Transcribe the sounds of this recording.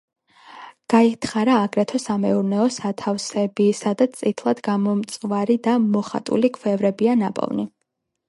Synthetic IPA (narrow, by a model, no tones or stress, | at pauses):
ɡ̥ait̪ʰχaɾaːɡɾɛt̪ʰɔsamɛuɾnɛɔsat̪ʰafsɛbisad̪at̪st̪sʼit̪ʰlˠad̪ɡamɔmt̪sʼvaɾid̪amɔχa̰t̪ʼṵlikʰwɛvɾɛbianapʼɔ̰vni